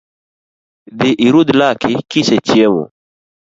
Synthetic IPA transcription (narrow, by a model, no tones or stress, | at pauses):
d̪iʔiɾud̪lakikisɛt͡ʃjɛmɔ̰